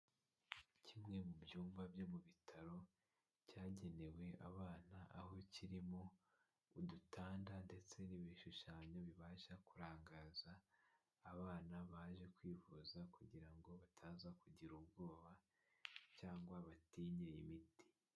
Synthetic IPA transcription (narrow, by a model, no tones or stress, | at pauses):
cimŋe̞mubjuːmvabjo̞muβitʰaɾo̞ | caːɟe̞ne̞we̞ʔaβaːnaʔaho̞ciɾimo̞ | udutʰaːndande̞t͡se̞niβiʃuʃaːɲo̞βiβaːʃakuɾaːŋɡaːzaː | βaːnaβaːʒe̞kwiːvuːzakuɟiɾaŋɡo̞βatʰaːnzakuɟiɾubɡo̞ːβa | caːŋɡwaβatiːɲejimiti̥